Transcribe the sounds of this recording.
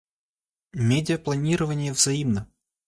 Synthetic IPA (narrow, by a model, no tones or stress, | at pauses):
mʲedʲɪjəplˠɐnʲiɾəvənʲɪjəvzɐimnə